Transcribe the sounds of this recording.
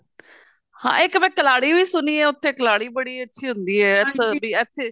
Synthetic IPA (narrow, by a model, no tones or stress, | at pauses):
hã̰ːɪkmɛ̃ːkəlaːɽiːʋiːsʊniːɛːʊt̪ʰːeːkəlaːɽiːbəɽiːətːʃʰiːɦʊnd̪iːɛːt̪ʰbiːɛt̪ʰːeː